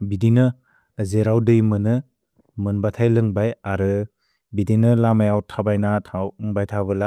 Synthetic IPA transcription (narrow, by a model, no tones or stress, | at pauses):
bidinɯː | zeɾawdɯjmɯnɯ | mɯnbatʰajlɯŋbajaɾɯ | bidinɯlamajawtʰabajnatʰawɯŋbajtʰabɯla